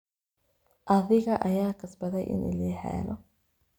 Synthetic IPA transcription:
ʔɐðɪɣɐʔɐjaːkʰɐsbɐðɛjʔɪ̰nɪ̰lɛːħɛ̰ːlɔ

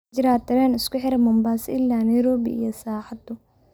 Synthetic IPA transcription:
d͡ʒɪɾaːt̪ɐɾɛːnɪskʊħɪɾɐmɔmbaːsɪʔɪlːaːnɐjɾɔːbḭḭjɔsaːħat̪ːʊ

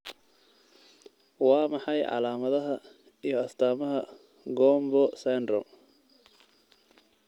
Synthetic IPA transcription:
wɑːmɑħɑjʕɑ̰laːmɐðɐɦɐ | ijɞɐst̪ʰaːmɐɦɐ | ɡɔːmbɔsɛnd̪rɔ

